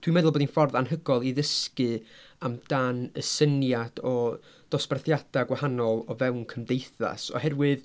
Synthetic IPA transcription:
tʰwimɛðʊlˠboːdinfɔrðanɦəɡɔlˠiðəskɨamd̥anəsənjad̥ɔ | d̥ɔsb̥arθjad̥aɡwahanɔlˠɔvɛwnkʰəmdejθa̰sɔ̰hɛrwɨð

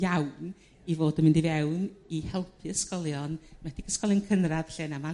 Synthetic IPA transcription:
jawn | ivoːdəmɪndivɛwnihɛlˠpʰiəskɔlˠjɔnmad̥iɡəskɔlˠjɔnkʰənraðɬeːnama

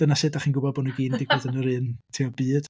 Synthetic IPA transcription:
d̥ənasɨdaχiːnɡʊbɔboːnuɡiːndɪɡʰɔdənəɾɨːntʰiɔbɨːd̥

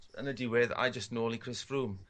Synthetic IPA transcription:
ə̰̃nədɪwɪða̰jd͡ʒəstnoːlˠikʰɹ̥ɪsfɹuːm

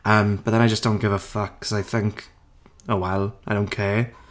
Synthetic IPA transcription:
əːmb̥əðɛ̃naɪd͡ʒəsd̥õʊ̃nɡ̥ɪvəfʌkʰːsajθɪ̃ŋkʰ | owɛlˠaɪjdõʊ̃nkʰɛː

